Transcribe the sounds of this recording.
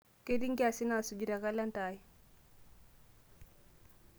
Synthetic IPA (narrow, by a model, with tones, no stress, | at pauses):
ke˦di˦ŋɡa˨si˦na˨su˨d͡ʒi˨ɾa˨ka˦la˦nta˨j